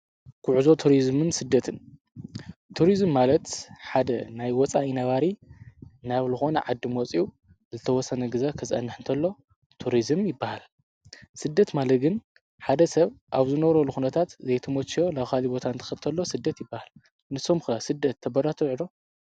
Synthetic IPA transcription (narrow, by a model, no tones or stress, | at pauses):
kʰuʕuzo̞t̪ʰuɾizmɨnsɨd̪ːɐt̪ʰɨn | t̪ʰːuɾizmːalɐt̪ħad̪ɐnajwɔt͡sʼaʔinɐβaɾi | naβlɨxo̞nɐʕad̪ːɨmɔt͡sʼiu | zɨt̪ʰɐwɔsːɐnɐɡɨzakʰɐsʼɐ̰nːɨħɨnt̪ʰɐlːo̞ | t̪ʰuɾizɨmjɪbːahal | sɨd̪ːɐt̪malɐt̪ɡɨn | ħad̪ɐsɐβʔaβzɨnɐβɾɐlːuxunɐt̪ʰat̪zejt̪ʰɐmot͡ʃːo̞laxalibo̞t̪ʰant̪ʰɐ̥xɐt̪ʰɐlːo̞sɨd̪ːɐt̪jɪbːahal | nɨsːo̞mxɨɾasɨd̪ːɐt̪ʰːɐbɐɾat̪ʰɐʕɨd̪o̞